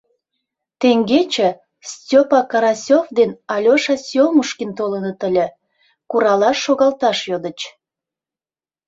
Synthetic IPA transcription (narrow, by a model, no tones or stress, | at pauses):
t̪eŋɡet͡ɕə̆ | stʲopɑkɑɾɑsʲofd̪enɑlʲoʃɑsʲjomuʃkint̪olənət̪əlʲĕ | kuɾɑlɑʃːoɣɑlt̪ɑʃjod̪ət͡ɕ